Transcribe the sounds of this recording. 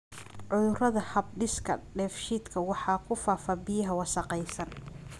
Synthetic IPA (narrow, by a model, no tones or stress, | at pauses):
ʕʊðʊrɐðɐhɐb̚ɖɪskʰɐ̰ɖɛːfʃiːd̪kʰɐwɑħɑːkʰʊfaːfɐbɪjɐɦɐwɑsɑqɛjsɐn